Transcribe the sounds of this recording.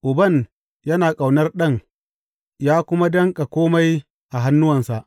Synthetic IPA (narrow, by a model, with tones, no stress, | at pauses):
ʔʊ˨bɐ˦˨n | jɐ˦naː˨kʼa˨wnɐ˦rɗɐ˦ŋ | jaː˦kʷʊ˦ma˦dɐ˦ŋkʼa˨kʷoː˦ma˦j | ʔa˨ɦa˦nːʊ˦wɐ˨nsa˨ʔ